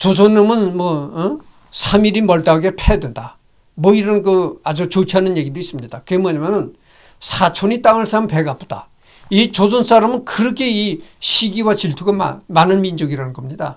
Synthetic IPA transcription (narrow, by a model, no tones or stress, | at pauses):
t͡ɕos̬ʰonːʌmɯnmʌ | sʰamiɾimʌɭt͈aɡepʰedwenda | mwʌiɾʌnkɯad͡ʑut͡ɕot͡ɕʰiɦanɯnje̞ɡidois͈ɯmɲid̥akɯɡemwaɲamjʌnɯn | sʰat͡ɕʰoɲit͈aŋɯɭsʰamnpe̞ɡapʰod̥a̰ | it͡ɕosʰons͈aɾamɯnkɯɾʌkʰe̞iɕʰiɡiwat͡ɕiɭtʰuɡama̰manɯnmind͡ʑʌɡiɾanɯnɡʌmɲida